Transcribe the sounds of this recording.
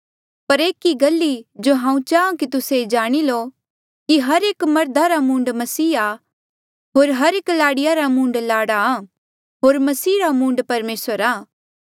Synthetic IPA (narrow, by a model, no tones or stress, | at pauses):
pɐɾeːkiɡɐlːid͡ʒoɦãːũt͡ʃaːõkit̪ʊsed͡ʒaːɽ̃ilo | kiɦɐɾeːkmɐɾd̪ʱaɾamũːɳɖmɐsiːa | ɦoːɾɦɐɾeːklaːɽɪjaɾamũːɳɖlaːɽaa | ɦoːɾmɐsiːɾamũːɳɖpɐɾmeːsəɾaː